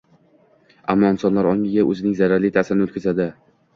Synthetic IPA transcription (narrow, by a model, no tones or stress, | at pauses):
amːɒɪnsɒnlaɾɒŋʲɪɡʲaʔɵ̰zɪnɪŋzaɾaɾlɪt̪ʰasɪɾɪnɪɵt̪kʰʲazad̪ɪ